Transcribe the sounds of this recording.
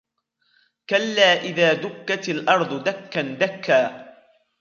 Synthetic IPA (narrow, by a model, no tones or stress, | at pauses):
kalːaːʔɪðaːd̪ʊkːat̪ɪlʔɑɾˤd̪ˤʊd̪akːand̪akːaː